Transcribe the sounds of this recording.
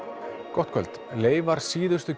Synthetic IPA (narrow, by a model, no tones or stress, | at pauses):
kɔht̪kʰœ̰l̥t̪leːjvaɾ̥siːðʏst̪ʏ